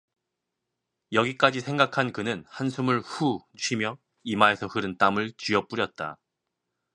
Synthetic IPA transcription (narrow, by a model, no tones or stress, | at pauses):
jʌɡik͈ad͡ʑisʰe̞ŋɡakʰankɯnɯnhansʰumɯɭɸuuɕʰimjʌ | imae̞sʰʌhɯɾɯnt͈amɯɭt͡ɕiʌp͈uɾjʌt̚t͈a̰